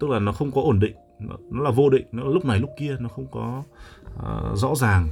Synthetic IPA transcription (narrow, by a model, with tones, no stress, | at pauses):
t̪ɨ˦˥k̚laː˨˩nɔ˨˦xə˧wŋ͡mkɔ˨˦ʔo˧˩nɗḭ˧˨ŋ̟˨˦ | nɔ˨˦laː˨˩vo˧ɗḭ̈˧˨ŋ̟nɔ˨˦laː˨˩lʊ˦˥k͡p̚na˨˩jlʊ˦˥k͡p̚ki˧ənɔ˨˦xə˧wŋ͡mkɔ˨˦˧ | zɔ̰˧˥zaː˨˩ŋ